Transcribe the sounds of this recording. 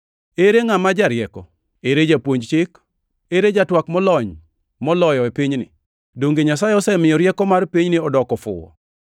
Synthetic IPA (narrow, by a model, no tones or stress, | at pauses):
eɾeŋamad͡ʒaɾjɛkɔ | eɾed͡ʒapwoɲd͡ʒt͡ʃɪk | eɾed͡ʒatwakmɔlɔɲ | mɔlɔjɔepiɲnɪ̰ | doŋɡeɲasajeɔsɛmɪjɔɾjɛkɔmarpiɲnɪɔdɔkɔfʊ̰wɔ̰